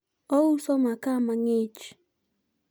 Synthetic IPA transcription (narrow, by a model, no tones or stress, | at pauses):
ousɔmakamaŋet͡ʃ